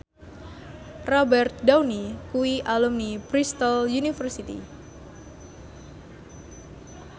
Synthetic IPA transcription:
rɔbɛrt̪̚dawnikuwiʔalumnipɾist̪əljunifərsit̪ḭ

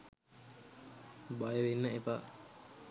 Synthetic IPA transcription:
bajəʋenːəepa

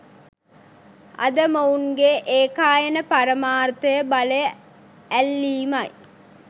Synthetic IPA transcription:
ɐ̰d̪əmɐunɡeʔeːkaːjənəpɐɾəmaːrt̪ɐjəbɐlej | ælːiːmɐj

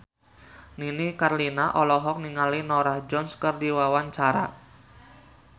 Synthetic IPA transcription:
ninikarlinaʔɔlɔɦɔk̚niŋalinɔɾahd͡ʒɔnskərdiwawant͡ʃaɾa̰

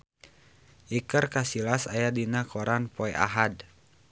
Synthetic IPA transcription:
ʔikərkasilasajadinakɔɾanpɔɛʔa̰ɦad

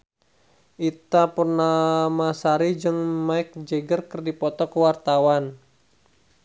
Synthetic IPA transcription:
ʔit̪apərnamasaɾid͡ʒɨŋmaɪk̚d͡ʒeɡərkərdipɔt̪ɔkəwart̪awan

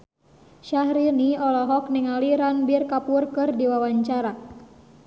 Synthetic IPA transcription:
ʃahɾiniɔlɔɦɔk̚niŋaliɾanbirkapurkɨrdiwawaɲt͡ʃaɾa

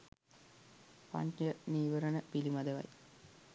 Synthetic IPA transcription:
pa̰ɲəniːʋəɾənəpilimad̪əʋa̰j

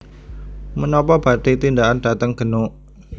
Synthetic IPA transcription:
mənɔpɔb̥a̤t̪it̪indaʔandat̪əŋɡ̥ə̤nʊʔ

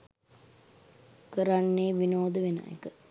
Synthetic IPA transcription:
kəɾanːeːʋinoːd̪əʋena̰ḛkə

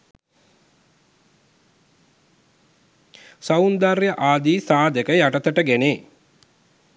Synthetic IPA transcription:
saund̪arjəʔaːd̪iːsaːd̪əkəjaʈət̪əʈəɡeneː

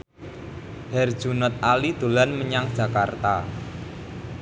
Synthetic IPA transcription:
hɛr̥ʒ̥unɔt̪̚alid̪̥o̤lanməɲaŋd̥ʒ̥a̤kart̪a

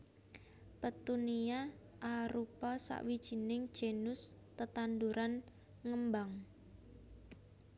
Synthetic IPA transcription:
pət̪unia | ʔaɾupɔsa̰ʔwid̥ʒ̥i̤nɪŋd̥ʒ̥enʊs | t̪ət̪and̪uɾʔan | ŋəmbaŋ

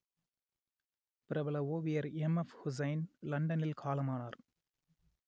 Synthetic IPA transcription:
pɪɾɐʋɐlɐoːʋɪjɐɾɛmɐfhʊs̬ɐɪnlɐɳɖɐnɪlkʰaːlɐmaːnaːɾ

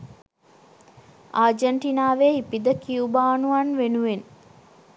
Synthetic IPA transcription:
aːd͡ʒəɳʈinaːʋeːipid̪əkiubaːnuanʋenuʋen

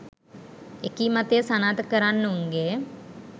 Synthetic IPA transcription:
ekiːmat̪ejəsanaːt̪əkəɾanːəuŋɡe

